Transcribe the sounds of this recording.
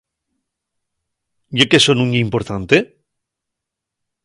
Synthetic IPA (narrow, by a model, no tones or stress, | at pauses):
ʝekesonũɲeimpoɾt̪ant̪e